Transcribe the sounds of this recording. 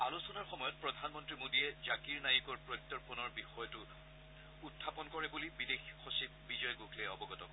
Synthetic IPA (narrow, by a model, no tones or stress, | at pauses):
alusɔnaɹxɔmɔjɔt̚pɹɔdʱanmɔntɹimodiɛzakiɹnajikɔɹpɹɔjk̚t̪ɔɹpunɔɹbixɔjɔtʊ | utʰːapɔnkɔɹɛbulibidexxɔsib̚bizɔjɡukʰlɛɔbɔɡɔtɔkɔ